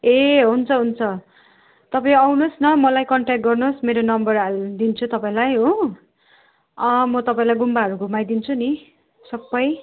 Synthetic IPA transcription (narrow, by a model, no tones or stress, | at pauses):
eɦunt͡sʰʌɦunt͡sʰʌ | t̪ʌpaĩawnosnʌmʌlajkʌɳʈakʈ̚ɡʌrnosmeɾonʌmbʌrɦald̪int͡sʰut̪ʌpaĩlajɦo | ʌmʌt̪ʌpaĩlajɡumbaɦʌɾuɡumajd̪int͡sʰuni | sʌbːʌj